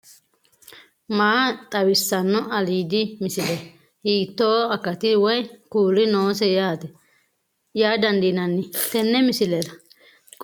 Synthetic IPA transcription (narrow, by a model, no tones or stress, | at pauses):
maːt̪ʼɐwɪsːɐnːɔɐliːd̪ɪmɪsɪlɛ | hiːt̪ːoːɐkːɐt̪ɪwɛjkuːɾɪnoːsɛjaːt̪ɛ | jaːd̪ɐnd̪inɐnːɪt̪ɛnːɛmɪsɪlɛɾɐ